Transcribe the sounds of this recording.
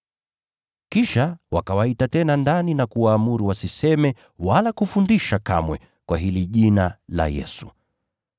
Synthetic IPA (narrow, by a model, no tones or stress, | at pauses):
kiʃawakawaitatɛnandaninakuwaːmuɾuwasisɛmɛ | walakufundiʃaka̰mwɛ | kwaɦiliʄinala̰jɛ̰su̥